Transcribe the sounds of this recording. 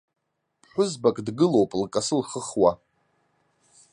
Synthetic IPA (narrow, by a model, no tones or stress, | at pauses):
pʰħʷᶣʊzbakʼdɡɨlo̞wpʼlkʼasɨlχəχwa